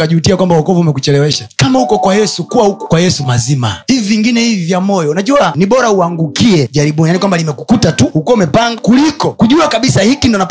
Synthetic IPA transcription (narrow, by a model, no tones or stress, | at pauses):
kaʄuːtiakwambawɔkɔvuumɛkut͡ʃɛlɛwɛʃakamahukɔkwajɛsukuwahukɔkwajɛsumazima̰hiviviŋɡinɛhivivjamɔjɔunaʄuaniɓɔɾauaŋɡukiɛʄaɾiɓɔnijanikwambalimɛkukutatuhukuaumɛpaŋɡakulikɔkuʄuakaɓisahikindɔna